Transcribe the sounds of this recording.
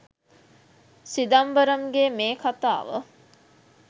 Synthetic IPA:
sid̪ambəɾəmɡeːmeːkʰat̪a̰ːʋə̰

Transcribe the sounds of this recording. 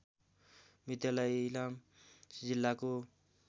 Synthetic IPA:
mit̪jalajilamsd͡zilːako

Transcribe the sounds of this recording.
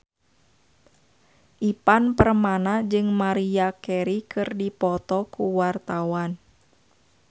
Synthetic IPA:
ʔipanpərmanad͡ʒɨŋmaɾiakɛɾikʰɨrdipɔt̪ɔkuwart̪awan

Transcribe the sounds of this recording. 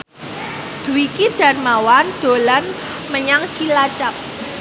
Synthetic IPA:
d̪̥uwikid̪̥a̤rmawand̪̥o̤lan | məɲaŋt͡ʃilat͡ʃap̚

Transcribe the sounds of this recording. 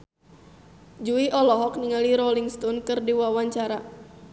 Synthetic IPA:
d͡ʒuiʔɔlɔɦɔkniŋaliɾɔliŋst̪ɔnkɨrdiwawaɲt͡ʃaɾa

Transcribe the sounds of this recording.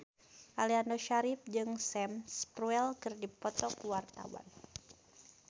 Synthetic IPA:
ʔaliandoʃaɾɪp̚d͡ʒɨŋsɛmspɾuɛlkɨrdipɔt̪ɔkuwart̪a̰wa̰n

